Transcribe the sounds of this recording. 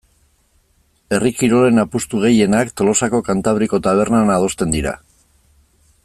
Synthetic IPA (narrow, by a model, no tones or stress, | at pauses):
e̞rikiɾo̞le̞napust̪uɣ̞e̞je̞nakt̪o̞lo̞sako̞kant̪aβ̞ɾiko̞t̪aβ̞e̞ɾnanaːð̞o̞st̪e̞nd̪iɾa̰